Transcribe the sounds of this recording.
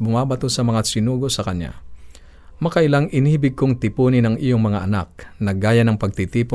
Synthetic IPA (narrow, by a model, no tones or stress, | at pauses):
bʊmaːbɐt̪osɐmɐŋasɪnuːɡo̞sɐkɐnja̰ | mɐkaʔɪlaŋʔɪnibɪɡ̚koŋt̪ɪpuːnɪnɐŋʔijoŋmɐŋaʔɐna̰k̚nɐɡaːjɐnɐŋpɐɡ̚t̪ɪt̪iːpo